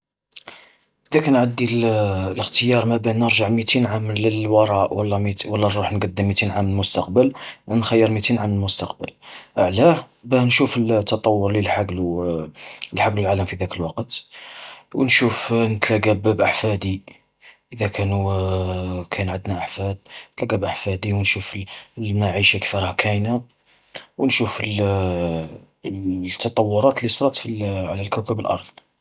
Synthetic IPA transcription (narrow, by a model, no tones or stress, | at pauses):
ʔəd̪ækænʕəd̪ːilləxt̪əjɑɾˤmæbænəɾʒaʕmit̪inʕamləlwɑɾˤɑʔwəlːɑmiwəlːɑnɾuħnɡɑd̪ːəmːit̪inʕamnəlmʊst̪ɑqbəlnxæjːəɾmit̪inʕamnəlmʊst̪ɑqbə̰lʔəʕlæ | bænʃufəlt̪ʰːɑt̪ˤɑwːʊɾlilħaɡlu | lħaɡlulʕaləmfid̪ækəlwɑqt̪ | wənʃufnət̪læɡæbbʔaħfæd̪i | ʔəd̪ækʰænu | kʰænʕəd̪naʔaħfæd̪̚nət̪læɡæbʔaħfæd̪iwnʃuflmaʕiʃakfiɾˤhakʰæjna | wnʃufəl | t̪ːɑt̪ˤɑwːʊɾˤɑt̪əlːisˤɾˤɑt̪fiʕlælkæwkəbəlʔɑ̰ɾˤðˤ